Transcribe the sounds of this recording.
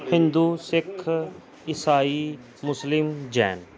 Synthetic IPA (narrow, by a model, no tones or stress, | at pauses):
hɪ̃nd̪uːsɪkʰː | ɪsaːiː | mʊslɪmd͡ʒɛ̰ːn